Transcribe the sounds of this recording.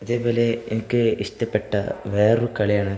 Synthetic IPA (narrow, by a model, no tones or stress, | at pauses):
ɐðe̞ːpo̞ːle̞enɐkʲːɨiʂt̪ɐpːeʈːɐʋe̞ːrukɐɭijaːɳɨ